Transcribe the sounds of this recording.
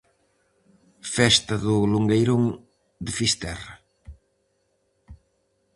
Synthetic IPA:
fɛst̪ɐðʊluŋɡejɾoŋ | d̪ɪfist̪ɛrɐ

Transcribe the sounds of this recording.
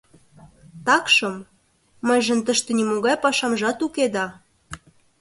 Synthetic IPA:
t̪ɑkʃɤ̆mː | ə̆jʒə̆nt̪əʃt̪ĕnʲimoɣɑjpɑʃɑmʒɑt̪uked̪ɑ

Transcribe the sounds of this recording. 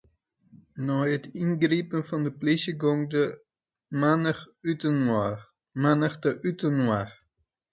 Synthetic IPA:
nɔjətʰinɡripənfɔndəpliʃjəɡoŋdə | manəytən | manəxdəʔytənwar

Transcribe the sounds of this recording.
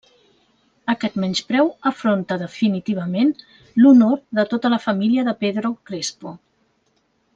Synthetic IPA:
əkɛt̪mɛnt͡ʃpɾɛwəfɾont̪əðəfinit̪iβ̞əmen | lunoɾðət̪ot̪ələfəmiliəðəpeðɾokɾespo

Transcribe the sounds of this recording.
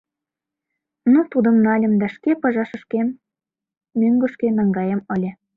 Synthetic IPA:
nut̪ud̪ə̆mnɑlʲə̆md̪ɑʃkepɤ̆ʒɑʃə̆ʃkemː | øŋɡə̆ʃkenɑŋɡɑjəmə̆lʲĕ

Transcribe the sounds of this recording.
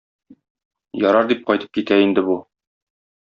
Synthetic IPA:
jɒɾɑɾd̪ip̚qɒjt̪ɤ̥p̚kit̪æind̪ɘ̆bu

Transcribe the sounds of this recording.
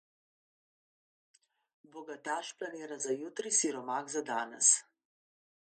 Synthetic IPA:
bɔɡat̪aːʃplaneːɾazajut̪ɾisiɾɔmaːɡzad̪aːnɛ̰s

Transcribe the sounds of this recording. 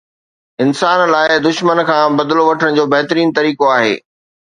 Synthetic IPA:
ɪnsaːnlaːɪd̪ʊʃmənkʰãːbɐd̪loʋɐʈʰəɽ̃̆d͡ʑoːbɐɦt̪ɾiːnt̪ɐɾiːkoaːɦḛː

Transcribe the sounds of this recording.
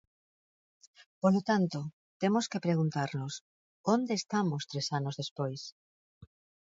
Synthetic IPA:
polot̪ant̪o | t̪emoskepɾeɣ̞unt̪aɾnos | ond̪eːst̪amost̪ɾesanozðespojs

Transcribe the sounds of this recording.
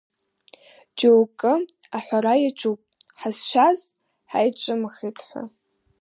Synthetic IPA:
d͡ʒʼowkʼɨ | aħʷaɾajat͡ʃʷʰʼupʼħazʃʷaz | ħa̰jt͡ʃʷʼɨmχetʰħʷa̰

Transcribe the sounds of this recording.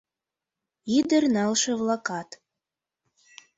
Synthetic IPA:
id̪ərnɑlʃə̆vlɑkɑt̪

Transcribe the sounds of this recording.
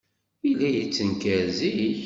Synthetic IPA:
ilːæjit͡sːənkəɾzii

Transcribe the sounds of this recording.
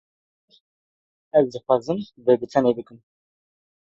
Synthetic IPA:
ɛzd̪ɨxʷwɑːzɨmbɨɡɨt̪ʰɛnebɨkɨm

